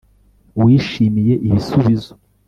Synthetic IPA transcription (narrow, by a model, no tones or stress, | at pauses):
wiːʃimije̞ʔiβisuβizo